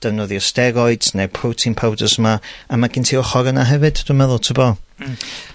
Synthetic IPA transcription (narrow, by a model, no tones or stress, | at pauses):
d̥əvnɔðiɔstɛɾɔɨd̥nepʰrowtʰɪnpʰawdəsəmaamaɡɪntʰiːɔχɔɾənaɦɛvɨd̥d̥umɛðʊlˠtʰɪbɔ